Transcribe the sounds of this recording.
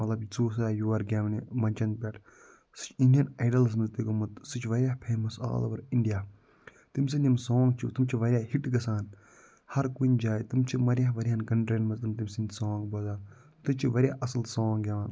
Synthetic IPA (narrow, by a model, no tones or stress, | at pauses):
mɐt̪lɐbt͡soːs̬aːjuɐɾɡʲaːnimɐnt͡ʃɐn̚pʲɐʈʰ | sɨ̥t͡ʃʰinɖijɐnaːɖɐls̬mɐzt̪ikomɐt̪sɨt͡ʃʰʋɐɾʲjaːhpʰeːmɐsa̰ːlɐ̰ʋɐɾiɳɖijaː | t̪ims̬ɨnʲimsõːŋɡt͡ʃʰit̪umt͡ʃʰiʋɐɾʲjaːhiʈɡɐsaːn | hɐɾkunʲd͡ʒaːit̪ɨmt͡ʃʰimɐɾʲjaːɦʋɐɾʲijaːnkɐɳʈɾɐnmɐzt̪ɨmt̪imsinʲsõːŋɡbɐzaːn | t̪umt͡ʃʰiʋɐɾʲjaːʔɐsɐlsõːŋɡɡʲɐʋaːn